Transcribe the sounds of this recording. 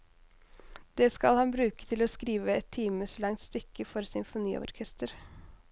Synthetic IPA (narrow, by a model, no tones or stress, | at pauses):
d̪̥ɛːskɑlhɑnbɾʉːkə̥t̪ʰɪlɔːskɾiːʋəɛt̪ʰːiːməslɑŋt̪st̪ʏkːəfɔɾsʏnfʊnḭːɔ̰ɾkʰɛst̪əɾ